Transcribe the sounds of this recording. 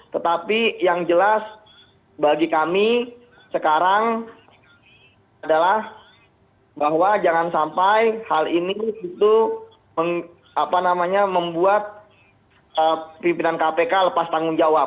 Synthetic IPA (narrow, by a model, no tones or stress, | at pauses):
t̪ət̪apijaŋd͡ʒəlas | baɡikamiː | əkaɾaŋ | adalah | baɦwad͡ʒaŋansampajhaliniit̪u | məŋ | apanamaɲaməmbuat̪̚ | əpimpinankapekaləpast̪aŋʊnd͡ʒawa